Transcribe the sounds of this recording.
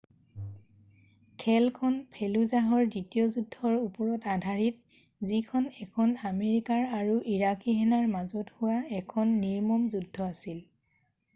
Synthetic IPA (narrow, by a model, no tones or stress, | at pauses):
kʰɛlkʰɔnpʰeluzaɦɔɹditijɔzudʱɔɹupɔɹɔtadʱaɹit̚ | zikʰɔnɛkʰɔnameɹikaɹaɹuʔiɹakiɦɛnaɹmazɔthʊwaɛkʰɔnːiɹmɔmzudʱːɔasil